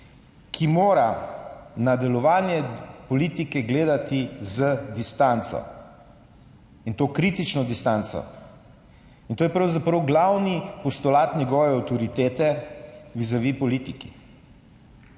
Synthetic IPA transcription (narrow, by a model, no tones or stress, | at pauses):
kʰimoːɾa | nad̪ɛlɔʋaːnjɛpɔliːt̪ikɛɡleːd̪at̪izəd̪ist̪ant̪sɔ̰ | int̪oːkɾit̪it͡ʃnɔd̪ist̪ant̪sɔ̰ | int̪oːjɛpɾɐwzapɾɐwɡlawnipɔst̪ɔlaːt̪nʲjɛɡɔːʋɛawt̪ɔɾit̪eːt̪ɛʋizɐʋipɔliːt̪ikḭ